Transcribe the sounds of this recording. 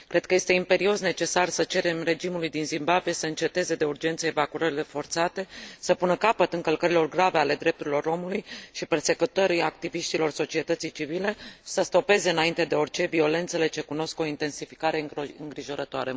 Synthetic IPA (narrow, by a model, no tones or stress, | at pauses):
kɾe̞d̪̚kəje̞st̪e̞impe̞ɾio̞sne̞t͡ʃe̞sarsət͡ʃe̞ɾe̞mre̞d͡ʒimulujd̪inzimbabije̞səɨnt͡ʃe̞t̪e̞ze̞d̪e̞urd͡ʒe̞nt̪səevakuɾəɾile̞fo̞rt̪sat̪e̞səpunəkapət̪ɨŋkəlkəɾilo̞rɡɾave̞ale̞d̪ɾe̞p̚t̪uɾilo̞ɾo̞mulujʃiperse̞kut̪oɾiak̚t̪iviʃt̪ilo̞rso̞t͡ʃie̞t̪ət̪sijt͡ʃivile̞səst̪o̞pe̞ze̞ɨnaint̪e̞d̪e̞o̞rt͡ʃe̞vio̞le̞nt̪se̞le̞t͡ʃe̞kuno̞sko̞int̪e̞nsifi̥kaɾe̞ɨŋɡɾiʒo̞ɾət̪oa̰ɾe